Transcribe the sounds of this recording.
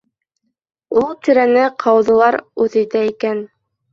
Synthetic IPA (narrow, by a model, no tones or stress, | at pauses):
ulˠt̪ɵ̆ɾænɘqʰɑwðɤ̆lˠɑɾʉðɘ̆jt̪æikæn